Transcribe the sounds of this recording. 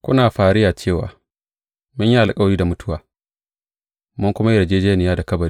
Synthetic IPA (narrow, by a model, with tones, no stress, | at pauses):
kʷʊ˦naː˨ɸaː˨ɾɪ˦jaː˨t͡ʃeː˦˨wa̰ː˨ | mʊ˦ɲja˦ʔa˨lkʼɐ˦wɾiː˦da˨mʊ˦tʊ˦waː˨ | mʊ˦ŋkʷʊ˦ma˦jɪ˦ɾɐ˨d͡ʒeː˦d͡ʒeː˦nɪ˨jaː˦da˨kɐ˦bɐ˨ɾi˦